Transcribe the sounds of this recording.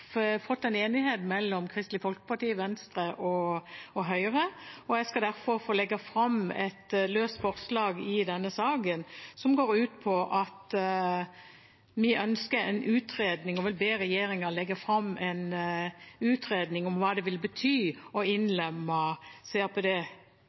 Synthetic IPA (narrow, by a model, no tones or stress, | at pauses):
fɔt̪ːɛneːnɪheːt̪mɛlːɔmkʰɾɪst̪lɪfɔlkə̥pɑʁʈiːəʋɛnst̪ɾəʔɔɔɦœʏʁəɔjæɡskɑd̪æɾfɔɾfoːlɛɡːɑfɾɑmɛt̪løːst̪fɔʁslɑːɡɪd̪ɛnːəsɑːɡənsɔmɡoːɾʉːt̪pʰɔʔɑt̪ | mɪʔœnskəɾɛnʉːt̪ʰɾeːd̪nɪŋɔʋɪlbeːɾɛjeːɾɪŋɑlɛɡːɑfɾɑmːɛn | ʉːt̪ɾeːd̪nɪŋɔmʋɑːd̪ɛʋɪlbət̪ʰyːɔɪnlɛmːɑseːɾpʰɔd̪ɛː